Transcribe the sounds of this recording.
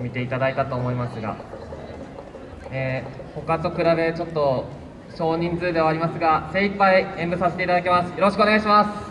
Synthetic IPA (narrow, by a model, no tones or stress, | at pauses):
mʲit̪e̞it̪ad̪ait̪at̪o̞ːmo̞imasɨɡa̰ | eho̞kat̪o̞kɯ̟ɾabe̞t͡ɕo̞t̪ːo̞ | ɕo̞ːɲ̟ĩnd͡zɨːd̪e̞βaːɾʲimasɨɡase̞ipːaiẽ̞mbɯ̟sase̞t̪eit̪ad̪ak̬ʲemasɨ̥jo̞ɾo̞ɕi̥kɯo̞neaiɕ̬imasɨ̥